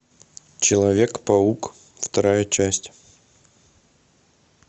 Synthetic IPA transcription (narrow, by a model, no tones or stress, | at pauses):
t͡ɕɪlˠɐvʲekpɐuk | ft̪ɐɾajət͡ɕæsʲtʲ